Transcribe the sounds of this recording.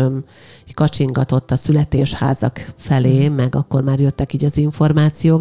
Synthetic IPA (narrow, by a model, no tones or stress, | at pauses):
øm | kɒt͡ʃiŋɡɒt̪o̞t̪ːɒsylɛt̪eːʃha̰ːzɒ̰kfɛleːmɛɡɒkːo̞rmaːrjø̞t̪ːɛkiːɟɒziɱfo̞rmaːt̪sijoːk